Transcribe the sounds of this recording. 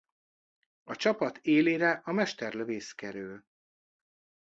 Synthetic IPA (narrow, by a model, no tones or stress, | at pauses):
ɒt͡ʃɒpɒt̪ʰeːleːɾɛʔɒmɛʃt̪ɛrløveːskɛɾøːl